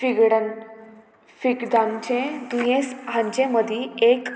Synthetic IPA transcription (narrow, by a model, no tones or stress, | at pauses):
fiɡɽə | fikd̪ãnt͡ɕẽd̪ujẽsɦãɲt͡ɕẽməd̪ʱiek